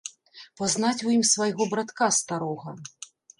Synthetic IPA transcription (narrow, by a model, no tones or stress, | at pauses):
paznat͡sʲujimsvajɣɔbɾat̪kast̪aɾɔɣɐ